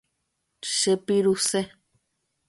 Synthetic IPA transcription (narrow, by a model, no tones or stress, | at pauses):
ʃepiɾuse